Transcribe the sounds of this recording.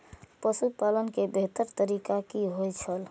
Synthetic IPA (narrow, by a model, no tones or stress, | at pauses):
pəsupalənkebeɦt̪əɾt̪əɾikakiɦojt͡ʃʰəl